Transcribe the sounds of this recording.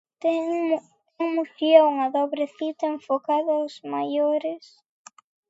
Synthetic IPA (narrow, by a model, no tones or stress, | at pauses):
t̪ɛ | t̪ɛŋmusjouŋɐðɔβɾeθit̪ɐeɱfokaðɐwzmajoɾes